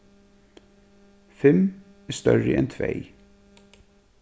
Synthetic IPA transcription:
fɛm | æːst̪œɹə̰ʔɛnt̪ʰʋæ̰ɪ

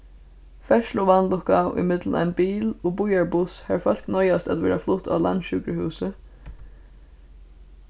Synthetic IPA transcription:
fɛʃlʊʋanlʊkaʏ̰mɪt̪ləna̰ɪjnbiːlʊbʊjaɹbʊshæɹfœl̥knɔjast̪at̪ʋɛːɾaflʊht̪ʰa̰ːla̰nʃʏkɾəhʉːsə

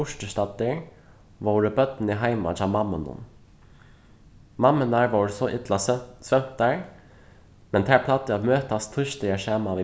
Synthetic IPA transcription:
ʊʃʈəʃt̪ɑt̪əɹ | ʋoːɾəbœt̪n̩iɦæɪmɑ̰tʰɑmɑmənʊ̰m | mɑmənɑɹʋoːɹsɔʔɪt̪lɑsʋœnt̪ɑɹ | mɛnt̪ʰæːpʰlɑt̪əɑʋmøːt̪ɑst̪ʰʏʃt̪əəʃæːmɑʋi

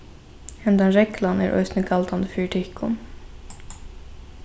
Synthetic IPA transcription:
ɛnd̪ɑnɾɛklɑnæ̰ːɾʔœ̰st̪nəkʰɑlt̪ʰɑnd̪əfyːʈʰɪkʰːʊ̰m

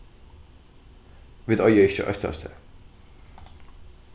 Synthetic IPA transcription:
ʋɪd̪ɔjəɪçə̰ʔœ̰t̪ɑ̰st̪ʰə̰

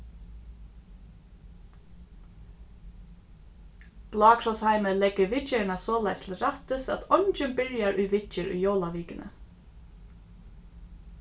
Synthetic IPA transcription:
b̥lɑːkʰɾɔshæɪməlɛɡ̥əʋɪt͡ʃəɳɑsoːlæɪslɾɑt̪əsɑ̰t̪ɔɲt͡ʃənbɪɹjaɹʔʉːʋɪt͡ʃəɹy̰ːjoːlaʋiːkənʔə̰

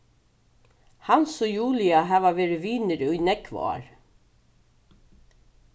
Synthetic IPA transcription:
hansɔjuːlɪaɦæːʋaʋeːɾɪʋiːnɪɾɵjnɛkvɔ̰a̰ɹ

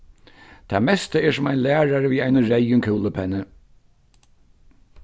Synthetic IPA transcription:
t̪ʰaːmɛst̪əɛːsʊmaɪnlæːɹaɹəʋiːaɪjnəɹɛjʊŋkʰuːləpʰɛnːə

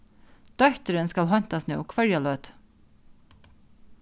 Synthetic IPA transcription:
d̪̥œkt̪əɾənskɑlɦɑnt̪ɑsnḛːoːkʰʋœɹjɑløːd̪̥

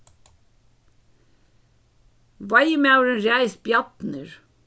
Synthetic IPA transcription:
ʋɑjmɑʉɾənɾæɪsbjɑt̪nəɹ

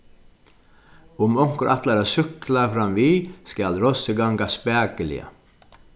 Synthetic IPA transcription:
ʊmɔŋ̥kəɾʔat̪laɾasʏklafɾɑmʋiːskalɾɔsəɡɑŋɡaspæːɡəlɪ̰ə̰

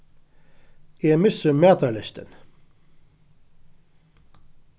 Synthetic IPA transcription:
ɪmɪsəmɛːt̪ʰɑlɪst̪ə̰n

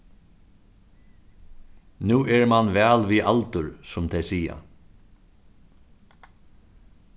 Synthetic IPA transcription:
nuːɛɹmanvɛːlʋiʔalt̪ʊɹsʊmt̪ʰɛjsiːja̰

